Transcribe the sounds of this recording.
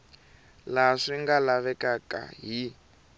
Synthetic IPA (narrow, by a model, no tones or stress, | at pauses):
laʂiŋɡalaβɛkaka̰ɦi